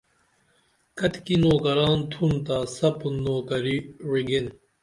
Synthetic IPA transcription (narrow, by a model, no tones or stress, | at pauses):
kɐt̪kinoːkɐɾaːnt̪ʰunt̪aːsɐpunːoːkɐɾiwiɡen